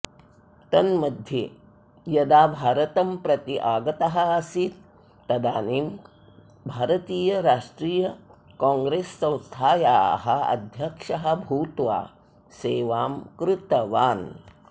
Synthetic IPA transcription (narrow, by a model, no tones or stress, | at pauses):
t̪ɐnmɐd̪ʱje | jɐd̪aːbʱaːɾɐt̪ɐmpɾɐt̪iʔaːɡɐt̪ɐɦɐ̆ɐsit̪ | t̪ːɐd̪aːniːm | bʱaːɾɐt̪iːjɐɾaːʂʈɾiːjɐ | kãːŋɡɾeːsːɐ̃w̃st̪ʰaːjaːɦɐɐ̰d̪ʱjɐkʂɐɦɐ̆bʱuːt̪ʋa̰ː | seːʋaːmkɾɪt̪ɐʋaːn